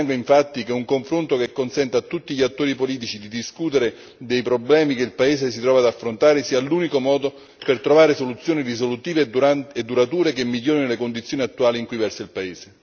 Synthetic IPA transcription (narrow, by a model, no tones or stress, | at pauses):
aŋɡoiɱfat̪ːik̟euŋkoɱfɾont̪okekːonsɛnt̪at̪ːut̪ːiʎiat̪ːoːɾipoliːt̪̬it͡ʃid̪id̪iskuːt̪eɾe | d̪ejpɾoblɛːmikeilpaeːzesit̪ɾɔːvaːd̪afːɾont̪aːɾesiːaluːnikomɔːd̪o | pert̪ɾovaːɾesolut̪sːjoːnirisolut̪iːveed̪ːuɾat̪uːɾekemːiʎːoːɾinolekond̪it̪sːjoːniat̪ːuaːliŋkujvɛrseilpaeːze